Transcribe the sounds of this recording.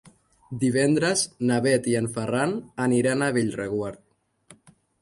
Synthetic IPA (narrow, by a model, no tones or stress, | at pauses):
d̪iβ̞ɛnd̪ɾəznaβɛt̪iənfəranəniɾanaβiʎreɣwaɾt̪̚